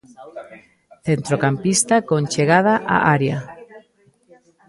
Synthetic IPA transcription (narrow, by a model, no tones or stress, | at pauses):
θent̪ɾokampist̪akont͡ʃeɣað̞aʔa̰ʔaɾja